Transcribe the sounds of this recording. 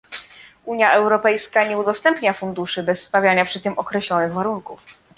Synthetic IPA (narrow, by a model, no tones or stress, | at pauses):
ʔuɲjaʔɛwɾɔpɛjskaɲɛud̪ɔst̪ɛmpɲafund̪uʂɘbɛsːt̪avʲjaɲapʂɘt̪ɘmɔkɾɛɕlɔnɘɣvaɾunkuf